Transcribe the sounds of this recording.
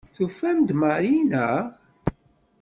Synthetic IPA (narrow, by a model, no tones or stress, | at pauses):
θufæmd̪maɾinæ